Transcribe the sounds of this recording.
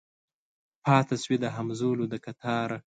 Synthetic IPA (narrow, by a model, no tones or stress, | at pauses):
pʰɑːt̪aswid̪əɦamzoːlod̪əkat̪ʰɑːɾ